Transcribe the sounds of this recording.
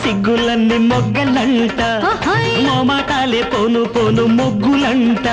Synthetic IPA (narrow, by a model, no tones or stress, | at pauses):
siɡːulɐnːimɔɡːɐlɐɳʈɐ | mɔːmaːʈaːleːpoːnupoːnumoɡːulɐɳʈɐ